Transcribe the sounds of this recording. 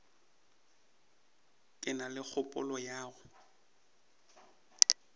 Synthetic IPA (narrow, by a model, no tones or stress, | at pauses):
kʼɪnalɪk͡xʰʊpʼʊ̰lɔjaːɣʊ